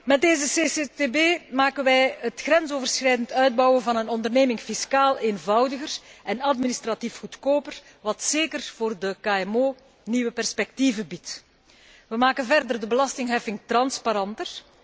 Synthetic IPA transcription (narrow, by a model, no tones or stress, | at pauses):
mɛt̚deːzəseːsetebeːmaːkənʋɛjɦətxrɛnzoːvərsxrɛjdəntœɥd̚bɑwəvɑnənɔndərneːmɪŋfiskaːleːnvɑwdəɣərʔɛnɑtministrɑtifxutkoːpər | ʋɑtseːkərv̥oːrdəkaːɛmoː | niʋəpɛrspɛk̚tivəbit | ʋəmaːkənvɛrdərdəbəlɑstɪŋɦɛfɪŋtrɑnspaɾɑntər